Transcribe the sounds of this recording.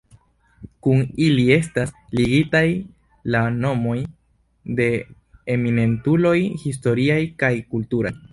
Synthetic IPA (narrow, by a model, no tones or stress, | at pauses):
kunilie̞stasliɡitaj | lano̞mo̞j | de̞ | emine̞ntulo̞jhisto̞ɾiajkajkultuɾaj